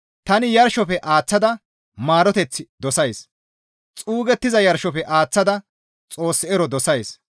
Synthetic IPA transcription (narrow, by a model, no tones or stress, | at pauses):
t̪ɐnɪjɐɾʃɔpɛʔaːt͡sːɐd̪ɐ | maːɾɔt̪ɛt͡sːɪd̪ɔsɐjs | t͡sʼuːɡɛt̪ːɪzɐjɐɾʃɔpɛʔaːt͡sːɐd̪ɐ | t͡sʼo̞ːsːɪɛɾɔd̪ɔsɐjs